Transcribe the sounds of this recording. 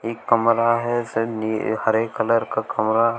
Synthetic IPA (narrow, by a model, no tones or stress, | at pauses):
eːkːɐmɾaɦɛsenihəɾeːkːələɾkakʰɐmɾaɦ